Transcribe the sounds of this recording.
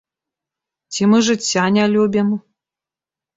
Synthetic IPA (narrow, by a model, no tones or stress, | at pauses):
tʲimɨʐɨt͡sʲːanʲalʲubʲim